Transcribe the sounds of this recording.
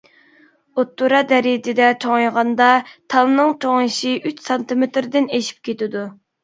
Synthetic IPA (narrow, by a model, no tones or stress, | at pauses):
ot̪ːuɾɑd̪ɛɾit̪ɪd̪ɛt͡ʃʰoŋɑjʁɑnd̪ɑt̪ʰɑlˠnɨŋt͡ʃʰoŋɨʃiʔyt͡ʃsɑnt̪ɨmet̪ɾd̪ɪneʃi̥p̚kʲʰet̪ɪd̪u